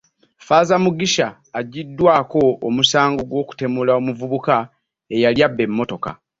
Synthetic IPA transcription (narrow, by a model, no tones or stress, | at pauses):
faːzamuɡiʃaː | ɟːidːwaːko̞ːmusaːŋɡoɡwo̞ːku̥te̞mulao̞muvuβuka | e̞jaljabːe̞mːo̞to̞ka̰